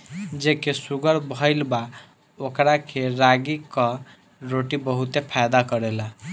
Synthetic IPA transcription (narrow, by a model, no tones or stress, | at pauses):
d͡ʒekesuɡəɾbʱəɪlba | okɾakʰeɾaɡikɔ | ɾoʈibəɦut̪epʰajd̪akəɾɛla